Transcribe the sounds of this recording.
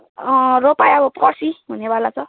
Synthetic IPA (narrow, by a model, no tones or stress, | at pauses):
ropajʌbʌprʌsiɦunebʱalat͡sʰʌ